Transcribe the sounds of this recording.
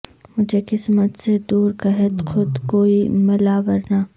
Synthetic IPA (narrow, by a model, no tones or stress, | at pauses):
mʊd͡ʒʱekɪsmət̪sed̪uːɾkɐɦət̪xʊd̪koːimɐlaːʋəɾnaː